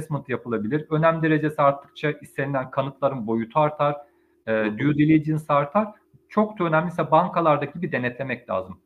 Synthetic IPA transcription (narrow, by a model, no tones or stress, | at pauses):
ɛsmɯnt̪ʰɯjapɯlˠabilʲiɾø̞næmʲd̪e̞ɾe̞d͡ʒe̞siaɾt̪ʰːɯ̥k̚t͡ʃʰaist̪e̞nʲilʲænkʰanɯt̪lˠaɾɯnbo̞jut̪ʰuaɾt̪ʰaɾː | d̪yjud̪ilʲejid͡ʒinsaɾt̪ʰaɾ̥ | t͡ʃʰo̞k̚t͡ʃ̪ʰønæmlʲisʲɛbaŋkʰalˠaɾd̪acʰibid̪e̞nɛt̪lʲe̞mɛclʲa̰ːzɯm